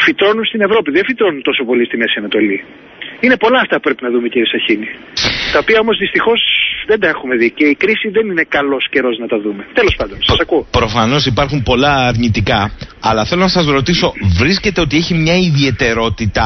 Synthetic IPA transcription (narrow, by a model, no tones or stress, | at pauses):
fit̪ɾo̞nunst̪ine̞vɾo̞piðefit̪ɾo̞nunt̪o̞so̞po̞list̪imesiɐnɐt̪o̞li | ine̞po̞lɐːft̪ɐpupɾe̞pinɐðumeciɾisɐçini | t̪ɐo̞piɐo̞mo̞zðist̪ixo̞zðend̪ɐexume̞ðice̞ikɾisiðenine̞kɐlo̞sce̞ɾo̞znɐt̪ɐðume̞t̪e̞lo̞spɐnd̪o̞nsɐsɐkuopɾo̞fɐno̞sipɐɾxumpo̞lɐːɾnit̪ikɐːlɐθe̞lo̞nɐsɐzɾo̞t̪iso̞vɾisce̞t̪e̞o̞t̪ieçimɲɐiðie̞t̪e̞ɾo̞t̪it̪ɐ